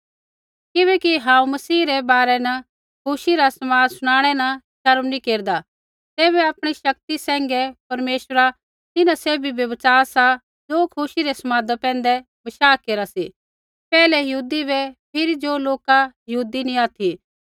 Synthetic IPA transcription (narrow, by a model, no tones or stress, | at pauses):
kɪβɛːkiɦãːũmɐsiːɾɛbaːɾɛnɐ | kʰʊʃiɾasɐmaːdsʊɽ̃aːɽ̃ɛnɐʃɐɾmnĩkeːɾd̪a | t̪eːβɛaːpɽ̃iʃɐk̚t̪isɛ̃ːŋɡɛpɐɾmeːʃɾa | t̪ɪnãseːbʱibɐʋɐt͡ʃaːsa | d͡ʒoːkʰʊʃiɾɛsɐmaːd̪apɛ̃ːnd̪ɛ | bɐʃaːkeːɾasi | pɛːlɛjɐɦuːd̪ibɛpʰɪɾid͡ʒoːloːkajɐɦuːd̪inĩaːt̪ʰi